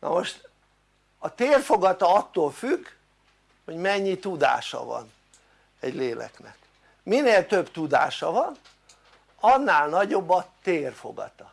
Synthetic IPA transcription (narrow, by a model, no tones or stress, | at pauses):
nɒ̰moʃt̪ | ɒt̪eːrfo̞ɡɒt̪ɒɒt̪ːoːlfyk | ho̞ɟmɛɲːit̪ud̪a̰ːʃɒ̰vɒ̰n | ɛɟleːlɛ̰knɛk | mineːlt̪øbt̪ud̪a̰ːʃɒvɒn | ɒnːaːlnɒɟo̞bːɒt̪eːrfo̞̰ɡɒ̰t̪ɒ